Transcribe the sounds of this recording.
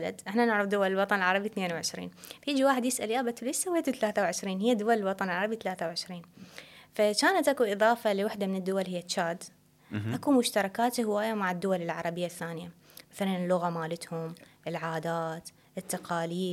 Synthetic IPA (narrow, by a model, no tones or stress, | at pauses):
la̰d̪ʔɪħnanɪʕɾɑfd̪ʊwalɪlwɑt̪ˤɑnɪlʕɑɾˤɑbiθneːnwʕɪʃɾḭːnfajiːd͡ʒiwaːħɪd̪jɪsʔaljaːbat̪ːulisawːeːt̪ut̪alaːθawʕɪʃɾiːnhɪjːad̪ʊwalɪlwɑt̪ˤɑnɪlʕɑɾˤɑbit̪alaːθawʕɪʃɾiːnfat͡ʃaːnat̪ʔakuʔɨðˤɑːfaliwaħd̪amɪnɪd̪ːʊwalɦɪjːat͡ʃːaːd̪ | ʔakumʊʃt̪ɑɾˤɑkaːt̪hɪwaːjamaʕɪd̪ːʊwalɪlʕɑ̰ɾˤɑbɪjːaθːaːnɪja | maθalanɪlːʊɣamaːlɪt̪hʊmʔɪlʕaːd̪aːt̪ | ʔɪt̪ːaqɑːliː